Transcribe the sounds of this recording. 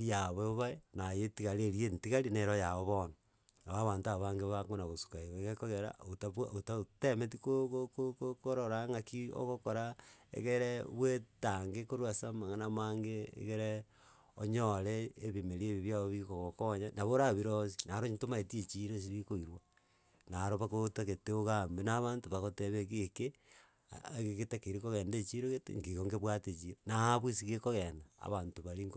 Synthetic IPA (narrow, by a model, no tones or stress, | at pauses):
ɾijaβeβaenajetiɣaɾeɾientiɣalineɾojaβoβona | naβaβaːntaβaŋɡeβakonaɣosu̥kaioeɣekoɣeɾa̰otaβwaotaotemet̬ikokokokokoɾoɾaŋakio̰ɣokoɾaḛɣeɾeβwetaŋɡekoɾwasamaŋanamaːŋɡeḛɣeɾe | oɲoleːβimeɾieβiβjaβoβikoɣokoɲanaβoɾaβiɾosi̥naɾoɲtomaetiet͡ʃiɾos̬iβikoiɾwa | naɾoβakotaɣeteoɣambenaβantoβaɣoteβekeke | ɣeketakeɾikoɣendet͡ʃiɾoetŋɡeɣoŋɡeβwatet͡ʃiɾonaβwisiɣekoɣenda̰ːβaːntoβaɾiŋɡ